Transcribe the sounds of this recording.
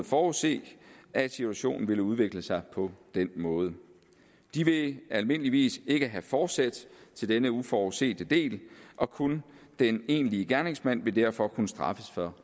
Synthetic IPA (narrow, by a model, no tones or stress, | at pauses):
fɒːuse̝̰ːʔæsit͡sʰuæɕo̝̰ːnn̩ʋe̝ləuð̞ˠʋe̝ɡ̥ləsɑ̈ɪpʰɒ̽d̥enmɔ̽ːð̞ˠə | d̥iʋe̝ælme̝n̰əliʋḭːse̝ɡ̥əɦæfɒːd̥sæd̥t͡sʰe̝ld̥enəufɒuse̝̰ːd̥əd̥e̝̰ːlʔɒ̽kʰund̥ene̝̰ːnliəɡ̥æɐne̝ŋsmæn̰ʋe̝d̥æɐ̰fɒ̽kʰunəsd̥ʁɑ̈fəsfɒ